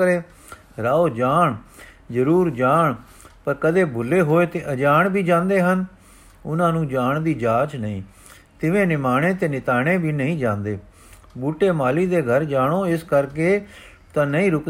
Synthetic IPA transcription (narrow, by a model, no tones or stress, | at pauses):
əɾeː | ɾaːoːd͡ʒaːɳ | zəɾuːɾd͡ʒaːɳ | pəɾkəd̪eːbʱʊlːeːɦoːeːt̪eːʔəd͡ʒaːɳbʱiːd͡ʒãːnd̪eːɦən | ʊnãːnũːd͡ʒaːɳd̪iːd͡ʒaːt͡ʃnəĩː | t̪ɪʋẽːnɪmaːɽẽːt̪eːnɪt̪aːɽeːbʱiːnəĩːd͡ʒãːnd̪eː | buːʈeːmaːliːd̪eːɡʱəɾd͡ʒaːɳ̃oːɪskəɾkeː | t̪ãːnəĩːɾʊk